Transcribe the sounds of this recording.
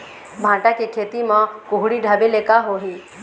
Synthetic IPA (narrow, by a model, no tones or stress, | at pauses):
bʱãːʈakekʰeːt̪imãkʊɦɽiɖʱɐbeleːkaɦoɦiː